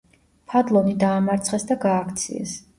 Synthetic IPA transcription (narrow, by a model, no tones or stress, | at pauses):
pʰad̪lˠɔnid̪aːmaɾt̪sʰχɛsd̪aɡaːkʰt̪sʰḭɛ̰s